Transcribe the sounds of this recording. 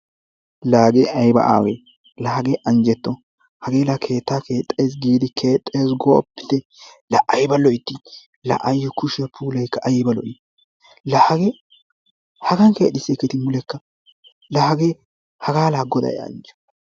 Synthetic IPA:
laːɡeʔɐjbɐ̰ʔa̰ːwḛ | lɐhɐɡeːʔɐnd͡ʒɛt̪ːɔ | hɐɡe̞ːlɐkʰe̞ːt̪ːaːkʰeːt̪ʼːeːs̬ɡiːd̪ɪkʰeːt̪ʼːe̞ːsɡɔpːɪ̥t̪ɛ | lɐʔɐjbɐlɔjɪt̪ːɪ | lɐ̰ʔɐjːɔkʊʃɛpʰuːlɐjkːɐʔɐjbɐlɔʔɪ | lɐhɐɡe | hɐɡɐnkḛːt̪ːɪsːɛkːɛt̪ɪmʊlɛkːɐ | lɐhɐɡeː | hɐɡaːlaːɡːɔd̪ɐ̰jɛ̰ɐ̰nd͡ʒɔ̥

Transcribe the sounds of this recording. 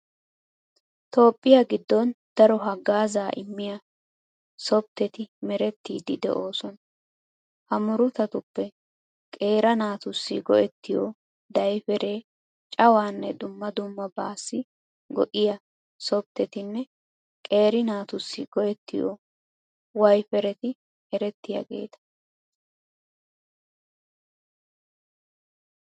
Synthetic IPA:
t̪o̞ːpʼːɪjɐɡɪd̪ːɔnd̪̥ɐɾɔɦɐɡaːzaːʔɪmːɪjɐ | sɔb̚t̪ːɛt̪ɪmɛɾɛt̪ːiːd̪ɪd̪ɛ̰ʔo̞ːsɔn | hɐmʊɾʊt̪ɐt̪ʊpːɛ | kʼe̞ːɾɐnaːt̪ʊsːɪɡɔ̰ʔɛt̪ːɪjoː | d̪ɐjfɛɾe̞ː | t͡ʃʼɐwaːnːɛd̪ʊmːɐd̪ʊmːɐbaːsːɪ | ɡɔʔɪjɐ | sɔb̚t̪ːɛt̪ɪnːɛ | kʼe̞ːɾɪnaːt̪ʊsːɪɡɔʔɛt̪ːɪjo̰ː | wɐjfɛɾɛt̪ɪ | ɛɾɛt̪ːɪjɐ̰ɡe̞̰ːt̪ɐ̥

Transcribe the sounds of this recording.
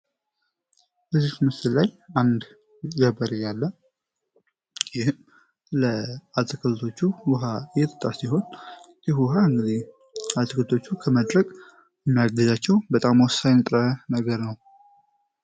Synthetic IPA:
bəzːihmɨsɨllajand̪ | ɡəbəɾɨjːalːə | jɪhɨm | ləat̪ʼɨkʰʼəlt̪ʰo̞t͡ʃːuwuɦajɛt̪ʰə̥t̪ʼːasiɦo̞n | jɛhuɦaɨŋɡɨd̪i | at̪ʰʼɨkʰəlt̪ʰo̞t͡ʃːukʰəməd̪ɾəkʼ | jɛmːijaɡəzat͡ʃːɛwbət̪ʼamwɔsːajnɨt̪ʼɾənəɡəɾnəw

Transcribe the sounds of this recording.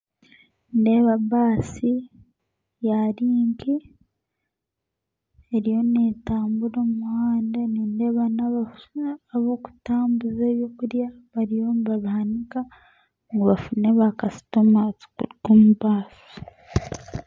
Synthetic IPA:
nde̞βaβaːsi | jaɾiːŋɡi | eɾijo̞neːtaːmbuɾoːmumuhaːndaniːnde̞βanaβafunaːβo̞ku̥taːmbuzeβjokuɾja | βaɾijo̞mβaβuhanika | ŋɡoβafuneβakasi̥tomat͡suɡomuβaːsi̥

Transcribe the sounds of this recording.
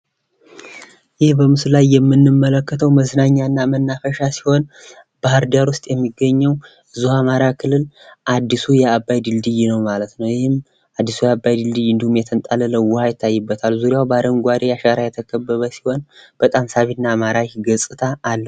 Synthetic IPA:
jɪhbəmɨsɨlajːɛmːɨnːɨmːələkːət̪ʰəwməznaɲːanːamənːafəʃasi̥ho̞n | b̥ahɨɾd̪aɾwʊst̪ʼjɛmːiɡːəɲːəw | ɨzuhamaɾakʰɨlːɨlʔad̪ːisujɛabːajd̪ɨld̪ɨjnəwmalət̪nəwjɪhɪm | ad̪ːisujɛabːajd̪ɨld̪ɨjɨnd̪ihumjɛt̪ʰənt̪ʼalələwːʊhajɪt̪ʰːajːɨbːət̪ʰalzuɾjawbaɾəmɡʷaɾʔejaʃaɾajɛt̪ʰəkʰəbːəβəsi̥ho̞nb̥ət̪ʼamsaβinːaːmaɾaɡəsʼɨt̪ʰaːlːəu

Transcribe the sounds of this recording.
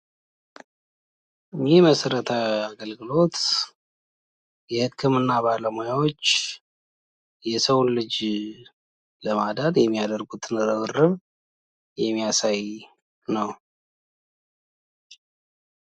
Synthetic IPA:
ʔɨɲːiməsəɾət̪ʰəaɡəlɡɨlo̞t̪ | jɛhɨkʰːɨmɨnːaβaləmojawot͡ʃː | jɛsəwnlɨd͡ʒ | ləmad̪ad̪jɛmːijad̪əɾɡut̪nɨɾɨβɨrːɨβ | jɛmːijasaj | nəw

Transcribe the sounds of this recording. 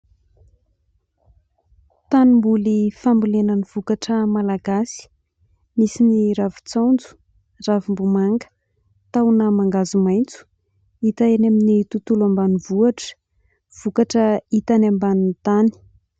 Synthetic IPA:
t̪animbulifambulenəniv̥ukaʈ͡ʂəmalaɡasi̥ | misiniɾavu̥t͡sand͡zu̥ | ravumbumaŋɡə̥ | t̪awnəmaŋɡazumajnt͡su̥ | it̪aenaminit̪ut̪ulambanivuaʈ͡ʂə̥ | v̥ukaʈ͡ʂəit̪anambanint̪ani̥

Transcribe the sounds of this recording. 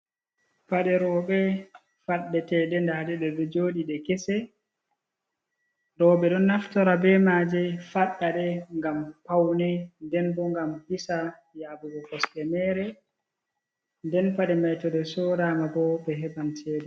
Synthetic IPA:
paɗɛɾɔːɓɛ | faɗːɛtɛɗɛndaɗɛɗɛɗɛd͡ʒoːɗiɗɛkɛsɛ | ɾɔɓɛɗɔnːaftɔɾabɛmad͡ʒɛfaɗːaɗɛŋɡampawnɛndɛnbɔŋɡamhisa | jaːbuɡɔkɔstɛmɛːɾɛ | ndɛnpaɗɛmajtɔɗɛsɔɾaːmabɔbɛɦɛbantʰɛːdɛ

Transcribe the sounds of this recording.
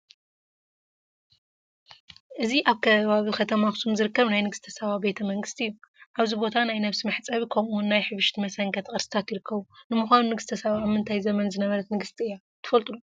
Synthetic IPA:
ʔɨziʔaβkʰɐβaβikʰɐt̪ʰɐmaxɨsumzɨɾɨkːɐβnajnɨɡɨst̪ʰɐsɐβabe̞t̪ʰɐmɐŋɡɨst̪iɨjːuʔaβzibo̞t̪ʰanajnɐβsimɨħt͡sʼɐβikʰɐmunːajħɨβɨʃt̪ʰimɐsɐŋɡɐt̪kʼɨɾsi̥t̪ʰat̪jɪɾɨkʰːɐβunɨmuxʷanunɨɡɨst̪ʰɐsɐβaːβmɨnt̪ʰajzɐmɐnzɨnɐβɐɾɐt̪nɨɡɨst̪ʰiɨjːa | t̪ʰɨ̥fɐlt̪ʼulu

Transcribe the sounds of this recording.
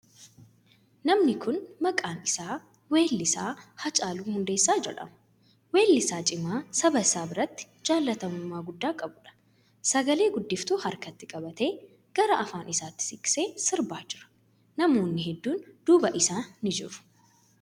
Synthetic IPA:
nɐmnɪkʰʊnmɐkʼaːnɪsaː | we̞ːlːɪsaːhɐt͡ʃʼaːluːhʊnd̪eːsːaːd͡ʒɛ̰ᶑɐ̰mʊ̥ | we̞ːlːɪsaːt͡ʃʼɪmaːsɐbɐsaːbɪɾɐt̪ːɪ̥ | d͡ʒaːlːɐt̪ɐmʊmːaːɡʊd̪ːaːkʼɐbʊᶑɐ̥ | sɐɡɐle̞ːɡʊd̪ːɪft̪uːhɐɾkɐt̪ːɪkʼɐbɐt̪e̞ː | ɡ̥ɐɾɐʔɐfaːnʔɪsaːt̪ːɪ̥sɪkʼːse̞ːsɪɾbaːd͡ʒɪɾɐ̥ | nɐmo̞ːnːɪɦɛd̪ːuːnd̪̥uːbɐʔɪsaːnɪd͡ʒɪ̰ɾʊ̥

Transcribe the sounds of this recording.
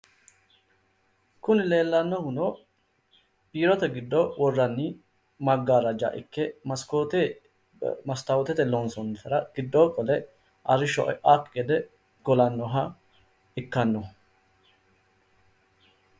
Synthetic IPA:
kʊnɪle̞ːlːɐnːɔhʊno | biːɾɔt̪ɛɡɪd̪ːɔwɔrːɐnːɪ | mɐɡːaːɾɐd͡ʒa̰ʔɪ̰kːɛmɐskot̪ɛ | mɐst̪ɐwɔt̪ɛt̪ɛlɔnsɔnːɛt̪ɐɾɐɡ̥ɪd̪ːɔːkʼɔlɛ | ʔɐɾɪʃɔ̰ʔʔakɡɛd̪ɛ | ɡ̥ɔlɐnːɔɦɐ | ɪkːɐnːɔ

